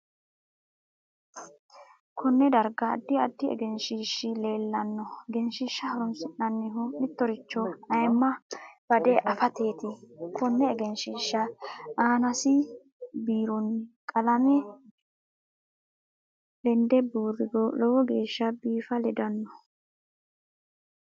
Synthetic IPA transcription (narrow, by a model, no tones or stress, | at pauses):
kʰɔnːɛd̪ɐɾɡɐ̰ːd̪ːɪɐd̪ːɪɛ̰ɡɛnʃiʃːɪle̞ːlːɐnːɔɡɛnʃɪʃːɐhɐɾʊnsɪnːɐnːɪɦʊmɪt̪ːɔɾɪt͡ʃːɔɐjmːɐb̥ɐd̪ɛʔɐfɐt̪e̞ːt̪ɪkʰɔnːɛːɡɛnʃɪːʃːɐaːnɐsɪ | biːɾʊnkʼɐlɐmɛ | lɛnd̪ɛbuːrːɪɡɔlɔwɔɡe̞ːʃːɐbiːfɐlɛd̪ɐnːɔ